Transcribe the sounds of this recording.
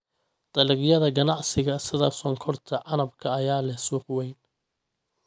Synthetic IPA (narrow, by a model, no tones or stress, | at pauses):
d̪̥ɐlɪɣjɐðɐɡɐnɑʕsɪɣɐsɪðɐsɔŋkʰɔrt̪ʰɐʕɑnɐbkʰɐːjaːlɛhsuːqwɛjn